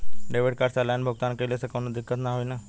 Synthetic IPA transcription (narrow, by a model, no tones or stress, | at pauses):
ɖeʋeʈ̚kaɾsalanbʱʊɡt̪aːnkəlesəkonud̪ɪkːət̪naɦoina